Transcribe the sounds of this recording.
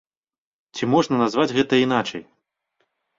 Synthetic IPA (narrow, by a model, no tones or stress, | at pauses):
t͡sʲimɔʐnɐnazvad͡zʲɣɛt̪ɐinat͡ʂɐ̰j